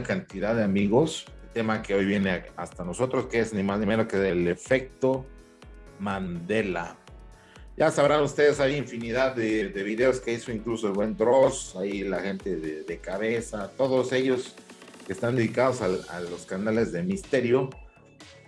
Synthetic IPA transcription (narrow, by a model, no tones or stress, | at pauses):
akant̪iðaðeamiɣo̞selt̪e̞make̞o̞jβje̞ne̞ast̪ano̞so̞t̪ɾo̞skeeznimaznimeɾokeðele̞fe̞k̚t̪o̞ | mand̪e̞la | ɟ͡ʝasaβɾanust̪e̞ðesajiɱfiniðaðːeðe̞βiðe̞oske̞iso̞iŋkluso̞elβwe̞nd̪ɾo̞sailaxe̞nt̪e̞ðeðe̞kaβe̞sat̪o̞ðose̞ʝo̞ske̞st̪and̪eðikað̞o̞sala̰lo̞skanale̞zðe̞mist̪e̞ɾjo̞